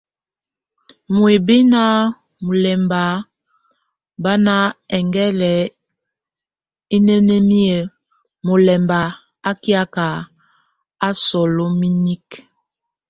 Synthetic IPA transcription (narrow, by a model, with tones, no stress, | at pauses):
mu˨e˨bi˦na˦ | mu˨lɛ˨mba˨ | ba˦na˦ɛ˨ŋɡɛ˦lɛ˨ | i˦ne˦ne˦mi˦ə˨ | mo˨lɛ˨mba˨ | a˦kja˦ka˨ | a˦sɔ˨lo˦mi˦ni˦k